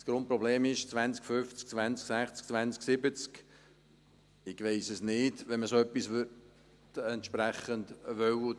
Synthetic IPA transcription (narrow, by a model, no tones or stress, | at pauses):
sɡ̥ɾʊnt̚pɾɔbleːmɪʃt͡svʋænt͡skfʏft͡skt͡svænt͡sksæχt͡sk̚t͡svænt͡sksɪbət͡sk | ɪɡʋeɪsəsnɪdʋɛnməsoœpːisʋʏ | tɛnt̪ʃpɾæχəndʋœwʊ